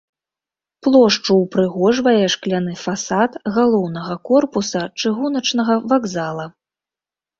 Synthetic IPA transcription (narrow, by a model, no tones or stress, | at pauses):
plˠɔʂt͡ʂuwpɾɨɣɔʐvɐjɛʂklʲanɨfasat̪ɣalˠɔwnɐɣɐkɔrpusɐt͡ʂɨɣunɐt͡ʂnɐɣɐvaɡzalˠɐ